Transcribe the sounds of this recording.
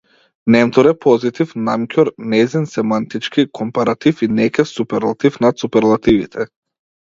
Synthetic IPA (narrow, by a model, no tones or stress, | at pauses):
nɛmt̪ɔɾɛpʰɔzit̪ifnamkʰʲɔɾnɛzinsɛmant̪it͡ʃkikʰɔmpaɾat̪ifinɛkʲɛfsupɛɾlˠat̪ifnat̪supɛɾlˠat̪ivḭt̪ʰɛ